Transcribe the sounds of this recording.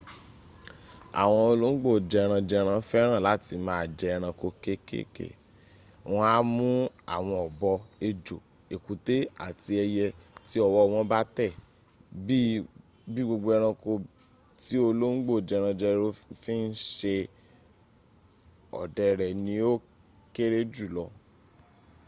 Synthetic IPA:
a̰˨w̃ɔ̃˧o˧lo˦ŋ̩˦ɡ͡bo˦˨d͡ʒɛ˧ɾ̃ã˧d͡ʒɛ˧ɾ̃ã˧˦fɛ˦ɾ̃ã˦˨la˨˦ti˧mãː˨˦a˨d͡ʒɛ˧ɾ̃ã˧ko˧ke˦kḛ˦kḛ˦˨ | w̃ɔ̃˧a˦mũ˦a̰˨w̃ɔ̃˧ɔ˨bɔ˧e˧d͡ʒo˨ | e˨ku˨te˦a̰˦˨ti˧˦ɛ˧jɛ˧ti˦ɔ˨wɔ˧˦˨w̃ɔ̃˧˦ba˦tɛ˦˨ | bi˦ | bi˦ɡ͡bo˧ɡ͡bo˧ɛ˧ɾ̃ã˧ko˧ | ti˦o˧lo˦ŋ̩˦ɡ͡bo˦˨d͡ʒɛ˧ɾ̃ã˧d͡ʒɛ˧ɾo˧˦fi˦n̩˦ʃe˧ | ɔ̰˨dɛ˨˧ɾɛ˨nĩ˧˦o˦ | ke˦ɾe˦d͡ʒu˦˨lɔ˧

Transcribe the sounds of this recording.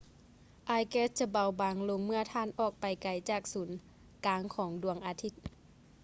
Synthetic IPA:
ʔaː˧jkɛː˧˥s̚t͡ɕa˧˩ba˧wbaː˨˧˦ŋlo˧ŋmɯ˥˩ɐt̪ʰaː˧˥˨nʔɔː˨˩k̚pa˨˩jka˨˩jt͡ɕaː˨˩k̚suː˩˦n | kaː˨˧˦ŋkʰɔː˩˦ŋdu˨˩əŋʔaː˨˧t̪ʰi˧˥t̪̚

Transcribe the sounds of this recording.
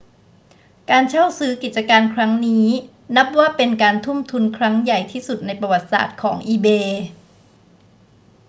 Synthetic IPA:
kaː˧nt͡ɕʰa˥˩wsɯː˦˥ki˨˩t̪̚t͡ɕa˧kaː˧nkʰɾa˦˥ŋniː˦˥ | na˦˥p̚waː˥˩pe˧nkaː˧nt̪ʰu˥˩mt̪ʰu˧nkʰɾa˦˥ŋja˨˩jt̪ʰiː˥˩su˨˩t̪̚na˧jpa˧wa˨˩t̪̚sa̰ː˨˩t̪̚kʰɔː˩˦ŋʔiː˧beː˧

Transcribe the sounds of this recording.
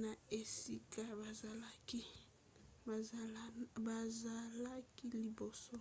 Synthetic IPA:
na˨e˨si˦ka˦ba˨za˨la˦ki˦˨ | ba˨za˨la˦ki˦li˨bo˨sɔ˦

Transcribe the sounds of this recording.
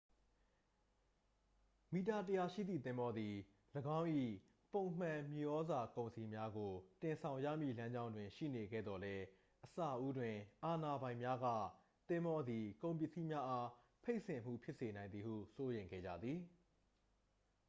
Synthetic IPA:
mi˨ta˨t̬əja˨ʃḭ˦˨d̪ðḭ˦˨t̪ɪ̃˦mbɔ˦d̪i˨ | ləɡã˦ʊ̃ʔḭ˦˨ | põ˨ʊ̃m̥ã˨mji˨ʔɔ˦za˨kõ˨ʊ̃nsʰi˨mja˦ɡo˨tɪ̃˨nsʰã˨ʊ̃jä̰˦˨mjḭ˦˨lã˦ɲd͡ʑã˦ʊ̃ndwɪ̃˨ʃḭ˦˨ne˨ɡɛ̰˦˨d̪ɔ˨lɛ˦ | ʔəsa˦˨ʔu˦dwɪ̃˨ʔa˨na˨bã˨ɪ̃mja˦ɡä̰˦˨ | t̪ɪ̃˦mbɔ˦d̪i˨kõ˨ʊ̃mpjɪ˦˨ʔsḭ˦˨mja˦ʔa˦ | pʰe˦ɪʔsɪ̃˨m̥ṵ˦˨pʰjɪ˦ʔse˨nã˨ɪ̃nd̪ði˨hṵ˦˨so˦jẽ˨ŋɡɛ̰˦˨d͡ʑa̰˦˨d̪ði˨

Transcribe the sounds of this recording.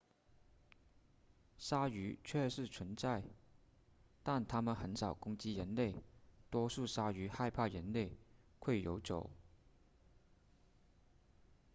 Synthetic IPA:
ʂa˥y˧˥t͡ɕʰɥɛ˥˧ʂɻ̩˥˩t͡sʰwə˧˥nt͡sa˥˧ɪ | t̪a˥˩nt̪ʰa˥mə˨nxə˧˥nʂɑ˨˩ʊkʊ˥ŋt͡ɕi˥ɻə˧˥nle˥˩ɪt̪wɔ˥ʂu˥˩ʂa˥y˧˥xa˥˧ɪpʰa˥˩ɻə˧˥nle˥˩ɪ | kʰwe˥˩ɪjo˧˥ʊt͡ɕjo̰˨˩˦ʊ

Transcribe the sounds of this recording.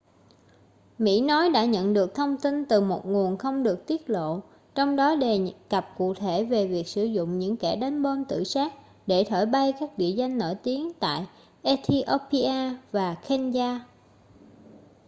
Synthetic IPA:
mḭ˧˥nɔ˨˦jɗa̰ː˧˥ɲə̰˧˨nɗɨ˨˩ək̚t̪ʰə˧wŋ͡mt̪i˧nt̪ɨ˨˩mo˨˩t̚ŋu˨˩ənxə˧wŋ͡mɗɨ˨˩ək̚t̪i˦˥ət̚lo̰˧˨ | t͡ɕɔ˧wŋ͡mɗɔ˨˦ɗe˨˩kə˨˩p̚ku˨˩ək̚t̪ʰe˧˩ve˨˩vi˨˩ək̚sɨ˧˩zʊ̰˧˨ŋ͡mɲɨ̰˧˥ŋkɛ˧˩ɗa˨˦jnɓo˧nt̪ɨ̰˧˩˨saː˦˥t̚ | ɗe˧˩t̪ʰəː˧˩jɓa˧jkaː˦˥k̚ɗḭ˧˨əza˧jŋ̟no̰˧˩jt̪i˨˦əŋt̪a̰ː˧˨j | ʔɛ˧t̪ʰi˧ʔo˧pi˧ʔaː˧vaː˨˩xɛ˧nzaː˧

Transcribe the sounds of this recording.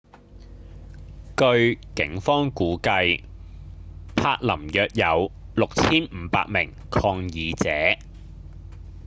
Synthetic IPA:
kɵ˧ɥkɪ˨˥ŋfɔː˥ŋkuː˨˥kɐ˧j | pʰaː˧k̚lɐ˨˩mjœː˨˧k̚jɐ˨˧wlʊ˨k̚t͡sʰiː˥nm̩ː˨˧pa̰ː˧k̚mɪ˨˩ŋ | kʰɔː˧ŋjiː˨˧t͡sɛː˨˥

